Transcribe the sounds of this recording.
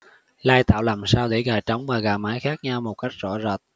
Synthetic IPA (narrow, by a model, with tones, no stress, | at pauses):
laː˧jt̪a̰ː˧˨wlaː˨˩msaː˧wɗḛ˧˩ɣaː˨˩jt͡ɕə˨˦wŋ͡mvaː˨˩ɣaː˨˩maː˨˦jxaː˦˥k̚ɲa˧wmo˨˩t̚ka˦˥jk̟̚zɔ̰˧˩zə˨˩t̚